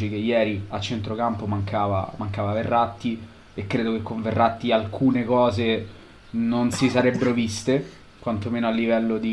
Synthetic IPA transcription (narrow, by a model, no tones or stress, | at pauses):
t͡ʃik̟ejɛːɾiat͡ʃːent̪ɾokampomaŋkʰaːva̰maŋkaːvaverːat̪ːi | ekːɾeːd̪okekːoɱverːʔat̪ːialkʰuːnekɔːze | nonsisaɾɛbːeɾovist̪e | kwant̪omeːnoalːivɛlːod̪i